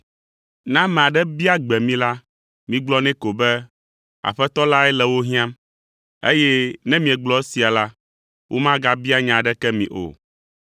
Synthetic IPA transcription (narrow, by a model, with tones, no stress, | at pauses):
nã˦mɛ̃˨a˨ɖɛ˦bi˦a˦ɡ͡bɛ˨mĩ˦la˦ | mĩ˦ɡ͡blɔ˦nɛ̃˦ko˨bɛ˦ | a̰˨ɸɛ˦t̪ɔ˦la˦ɛ˦lɛ˨wo˦ɦĩ˦ã˦m | ḛ˦jɛ˦nɛ̃˦mĩ˨ɛ˨ɡ͡blɔ˦ɛ˦si˨a˨la˦ | wʔo˦mã˦ɡa˦bi˦a˦ɲã˨ɖɛ˦kɛ˦mĩ˨ʔo̰˨